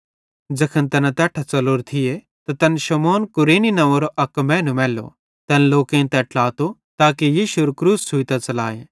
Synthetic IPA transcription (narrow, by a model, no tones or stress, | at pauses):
d͡ʒɐkʰənt̪ɐnat̪ɛːʈʰat͡sɐloɾt̪ʰɪje | t̪at̪ɐnʃɐmɔːnkʊɾeːninɐʋɐɾoʔɐkːmɛ̃ːnumɛːlo̰ | t̪ɛːnloːkẽt̪ɛʈlaːt̪ot̪aːkejiːʃuɾkɾuːsːʊit̪at͡sɐla̰ːjeː